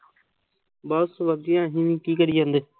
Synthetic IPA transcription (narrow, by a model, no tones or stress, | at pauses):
bəsʋəd̪ɪjãːɦiːʋĩːkiːkəɽiːãːnd̪eː